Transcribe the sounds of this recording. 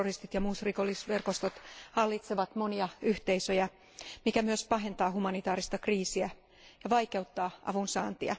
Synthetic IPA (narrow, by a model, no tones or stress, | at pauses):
orist̪it̪jɑmuːsrikolːisʋe̞rko̞st̪ot̪hɑlːit̪seʋɑt̪mo̞niɑyht̪eisøjæ | mikæmyøspɑɦe̞nt̪ɑːɦumɑnit̪ɑːɾist̪ɑkriːsiæ | jɑʋɑjke̞ut̪ːɑːʔɑ̰ʋunsɑ̰ːnt̪iɑ̰